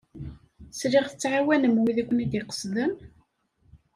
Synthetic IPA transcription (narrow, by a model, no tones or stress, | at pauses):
sɾɪʁθə̥t͡sːʕawænəmwiðækʷːənæd̪iqə̥sðəm